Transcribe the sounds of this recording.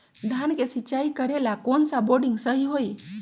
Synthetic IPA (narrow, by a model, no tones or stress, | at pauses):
d̪ʱjankesit͡ʃaikəɾelakonsaboɾɖĩŋɡsəɦiɦoi